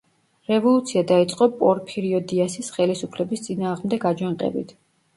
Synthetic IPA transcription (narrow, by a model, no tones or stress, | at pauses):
ɾɛvɔlˠut̪sʰiad̪ait̪sʼqʼɔpʼɔɾpʰɛɾiɔd̪iasisχɛlisupʰlɛbist̪sʼinaːʁmd̪ɛɡad͡ʒwaŋqʼɛ̰bḭt̪ʰ